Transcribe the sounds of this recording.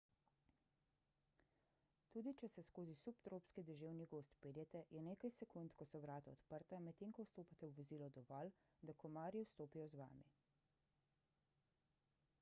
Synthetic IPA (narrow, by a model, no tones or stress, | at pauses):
t̪uːd̪it͡ʃɛsɛskoːzisupt̪ɾoːpskid̪ɛʒeːwniɡoːst̪peːljɛt̪ɛjɛneːkajsɛkunt̪kɔsɔʋɾaːt̪aɔt̪pəɾt̪amɛt̪eːŋkɔwst̪oːpat̪ɛwʋɔziːlɔd̪ɔʋɔl | d̪akɔmaːɾjiwst̪oːpijɔzʋa̰ːmi